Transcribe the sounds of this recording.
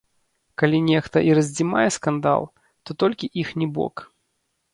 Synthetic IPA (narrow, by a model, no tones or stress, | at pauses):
kalʲinʲɛxt̪ɐʔiɾɐzʲd͡zʲima̰jɛskand̪a̰lˠ | t̪ɔt̪ɔlʲkʲiʔixnʲɛbɔ̰k